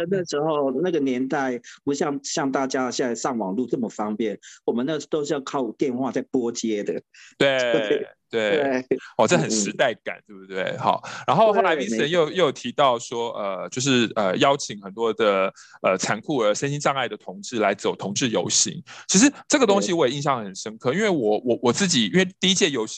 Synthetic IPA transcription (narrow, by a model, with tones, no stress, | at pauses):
ə˧na˥˩ʂɻ̩˧˥xo˥˧ʊna˥˩ɡə˩˨njɛ˧˥nt̪a˥˩ɪpu˧˥ɕjɑ˥˧ŋɕjɑ˥˧ŋt̪a˥˩t͡ɕja˦ɕjɛ˧na˥˧ɪʂɑ˥˩ŋwɑ˨˩ŋlu˥˧t͡sə˥˩mə˨˩fɑ˥ŋpjɛ˥˩nwɔ˨˩mə˨˦na˥˩t̪o˥ʊʂ̬̩˥˧jɑ˥˧kʰɑ˥˩ʊt̪jɛ˥˧nxwa˥˧t͡sa˥˩ɪpwɔ˥t͡ɕjɛ˥d̪ə˨ | t̪we˥˩˧t̪we˥˩ɪwe˥˨˩ɔ˥˩ʈ͡ʂə˥˩xə˨˩nʂɻ̩˧˥t̪a˥˩ɪka̰˨˩˦nt̪we˥˩bu˥t̪we˥˩ɪxɑ̰˨˩˦ʊɻa˧˥nxo˥˧ʊxo˥˩la˧˥ɪpi˥˩˧ɻə˧˦njo˥˩jo˥˩jt̪ʰi˧˥t̪ɑ˥˩ʊʂwɔ˥ʔə˨˩t͡ɕjo˥˧ʊʂ̬ɻ̩˥˩ə˩jɑ˥ʊt͡ɕʰi˨˥ŋxə˨˩nt̪wɔ˥d̪ə˨ə˨t͡sʰa˧˥nkʰu˥˩ə˞˧˥ʂə˥nɕi˥nʈ͡ʂɑ˥˧ŋa˥˩ɪd̪ə˩t̪ʰʊ˧˥ŋʈ͡ʂɻ̩˥˩la˧˥ɪt͡so˨˩ʊt̪ʰʊ˧˥ŋʈ͡ʂɻ̩˥˩jo˧˥ʊɕḭ˧˥ŋt͡ɕʰi˧˥ʂɻ̩˧˥ʈ͡ʂɤ˥˩ɡə˩t̪ʊ˥ŋɕi˨wɔ˦˥jɛ˨˩i˥˧nɕjɑ˥˩ŋxə˨˩nʂə˥nkʰɤ˥˧i˥nwe˥˩ɪwɔ˨˩wɔ˨˩wɔ˨˩t͡sɹ̩˥˩t͡ɕi˨˩i˥nwe˥˧ɪt̪i˥˧i˥t͡ɕʰjɛ˥˩jo˧˥ʊi˧